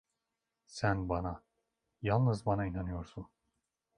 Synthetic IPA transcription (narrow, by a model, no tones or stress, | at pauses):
sænbana | jalˠnɯzbanainanɯjo̞ɾsun